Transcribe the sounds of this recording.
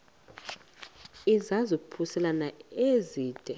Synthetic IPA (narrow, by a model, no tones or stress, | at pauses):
izazɔpʰusɛlanaeziːd̥ʱɛ